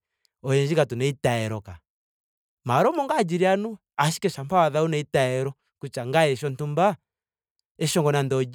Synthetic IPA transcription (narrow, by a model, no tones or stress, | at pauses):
ɔjɛɲd͡ʒikatunɛitaɛɾɔka | maɾɔmɔŋɡaːd͡ʒiɾianu | aʃi̥kɛʃampawaðaunɛitaɛɾɔ | kut͡ʃaŋɡaɛʃɔntumba | ɛʃɔŋɡɔnandɔd͡ʒ